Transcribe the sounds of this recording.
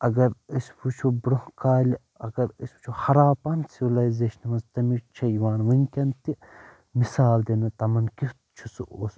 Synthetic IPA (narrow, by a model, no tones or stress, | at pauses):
ɐɡɐɾəsʲpʰut͡ʃʰubɾuhkaːlʲi | ɐɡɐɾisʲbu̥t͡ʃʰuhɐɾaːpɐnsiʋlɐːjzeːʃɐnʋɐnzt̪ɐmit͡ʃʰɐjʋaːnʋɐŋkʲɐnt̪i | misaːld̪enɐt̪ɐmɐnkit̪t͡ʃʰusuoːs